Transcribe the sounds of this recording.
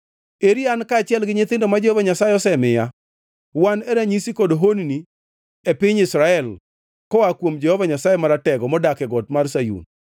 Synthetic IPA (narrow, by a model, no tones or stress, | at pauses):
eɾiankaːt͡ʃjɛlɡɪɲɪt̪ɪndɔmad͡ʒɛhɔvaɲasaeɔsɛmɪja | wanɛɾaɲisikodoɦonni | epɪɲɪsɾaɛl | kɔakwomd͡ʒɛhɔvaɲasajemaɾatɛɡɔmɔdakɛɡɔtmarsajṵn